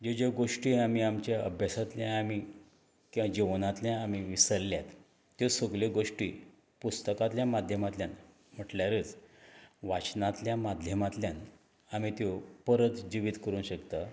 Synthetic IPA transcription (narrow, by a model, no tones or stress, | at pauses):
d͡ʑod͡ʑeɡoʂʈiːamiamt͡ɕjaəbʱjasat̪ljaami | kiad͡ʑiʋnãt̪ljãːmiʋisəɾljat̪ː | josoɡleɡoʂʈḭː | pust̪əkat̪ljãmad̪ʱjəmat̪ljan | m̤əʈljaɾət͡s | ʋat͡ɕnãt̪ljamad̪ʱjəmat̪ljan | amit̪jopəɾət̪d͡ʑiʋit̪kəɾũːnɕəkt̪a